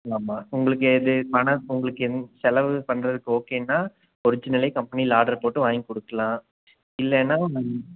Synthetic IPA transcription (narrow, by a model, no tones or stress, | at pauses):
aːmaːʊŋɡɐɭɯk̬ːɯɛðɯpɐɳɐʊŋɡɐɭɯkːɯɛnsɛlɐʋɯpɐnɾɐðɯkːɯoːkeːnːaː | pɔɾɯɲd͡ʒːɐnɪlɐɪkɐmpɐnilaːɽɐɾpoːʈːɯʋaːjŋkɔɽɯkːɐlãː | ɪlːɛːnːaː